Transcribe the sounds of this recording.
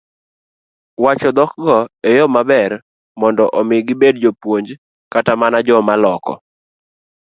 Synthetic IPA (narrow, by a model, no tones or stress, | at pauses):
wat͡ʃɔd̪ɔkɡɔejɔmabɛr | mɔndɔʔɔmɪɡɪbed̚d͡ʒopwoɲd͡ʒ | katamanad͡ʒɔmalɔkɔ̰